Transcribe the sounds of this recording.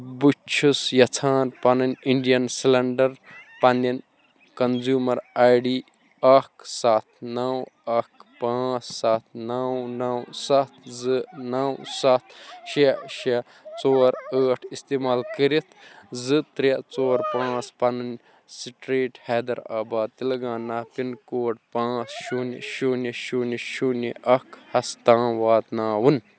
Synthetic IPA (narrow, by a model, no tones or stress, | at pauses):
but͡ʃʰusjɐt͡sʰaːnpɐnɨnʲiɳɖijɐnsilɐɳɖɐɾpɐndʲɐn | kɐnzuːmɐɾajɖi | ɐkʰsat̪ʰnɐwɐkpãːt͡ssat̪̚ʰnɐwnɐwsɐt̪ʰzɨnɐwsɐt̪ʰʃeʃi | t͡soːɾəːʈʰist̪iːmaːlkɨɾit̪ʰzɨt̪ɾit͡soːɾpãːt͡spɐnɨn | siʈɾiːʈhɛːd̪ɐɾa̰ːbaːd̪̚t̪ilɐɡãːnaːpinkoːʈ̚pãːt͡sʃunḭʃuniʃuːniʃuniʔɐkʰhɐst̪ãːʋaːt̪naːwun